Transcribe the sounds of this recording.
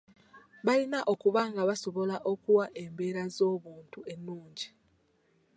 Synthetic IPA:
βalinaʔo̞kuβaŋɡaβaso̞βo̞laʔo̞kuwaʔe̞mbe̞ːɾazo̞ːβuːntue̞nːuːɲɟi

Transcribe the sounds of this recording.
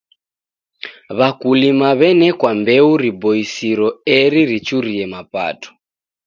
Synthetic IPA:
βakulimaβɛnɛkwambɛuɾibɔisiɾɔɛɾiɾit͡ʃuɾiɛmapa̰tɔ̥

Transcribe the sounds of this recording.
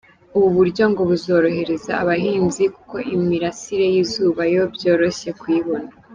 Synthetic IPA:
uβuβuɾɟo̞ŋɡo̞βuzo̞ːɾo̞he̞ɾe̞zaːβaɦiːnzikuko̞ʔimiɾasiɾe̞jizuːβajo̞bjoːɾo̞ɕe̞kwiːβo̞na

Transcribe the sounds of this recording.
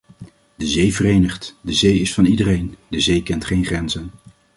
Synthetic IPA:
dəzejvərejnəχtdəzejɪsfɑnidərejndəzejkɛntχejnχrɛnzən

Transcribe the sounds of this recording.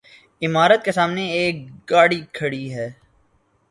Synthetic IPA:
ɪmaːɾət̪̚kesaːmneeːk̚ɡaːɽikʰɐɽiɦɛː

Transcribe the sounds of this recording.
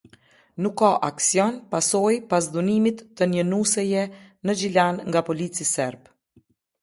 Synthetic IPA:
nukːaʔaksjɔnpasɔjpas̬d̪unimit̪ːənənusɛjɛnəd͡ʒilanŋɡapɔlit͡sisɛɾb

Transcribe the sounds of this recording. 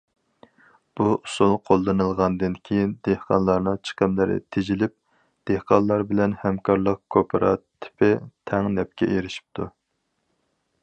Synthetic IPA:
b̥uusulˠqʰolˠːɨnɨlˠʁɑnd̪ɨnkʲʰijind̪ehqɑ̰nlˠɑɾnɨŋt͡ʃʰə̥qəmlɪɾɪ̰t̪ʰed͡ʒilɪp̚ | d̪̥ehqɑnlˠɑɾbɪlɛnhɛmkʰɑɾlˠəq̚kʰopʰəɾɑt̪ʰːɪ̥pʰɪt̪ʰɛŋnɛp̚kʲɛ̰ʔeɾɪʃi̥p̚t̪ʰu

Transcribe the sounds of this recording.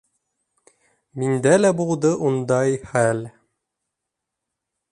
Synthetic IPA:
mind̪ælæbulˠd̪ɤʔund̪ɑjχæl

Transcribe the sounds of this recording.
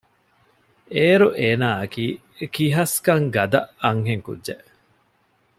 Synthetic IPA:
eːɾuʔeːnaːɐkiː | kiɦɐskɐŋɡɐd̪ɐʔɐŋɦeŋkṵdːʒeʔ

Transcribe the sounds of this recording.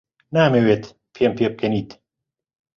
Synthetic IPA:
naːmeːweːt̪ | pʰeːmpʰeːp̚kʰɐniːt̪

